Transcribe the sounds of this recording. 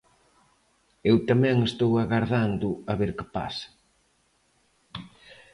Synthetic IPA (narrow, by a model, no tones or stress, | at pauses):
ewt̪amɛ̃ŋest̪owaɣaɾðand̪ʊaβeɾkɪ̥pa̰sḁ